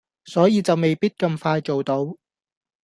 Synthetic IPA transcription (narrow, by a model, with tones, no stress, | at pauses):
sɔː˨˥jiː˨˧t͡sɐ˨wme˨jpiː˥t̚kɐ˧mfaː˧jt͡so˨wt̪o˨˥w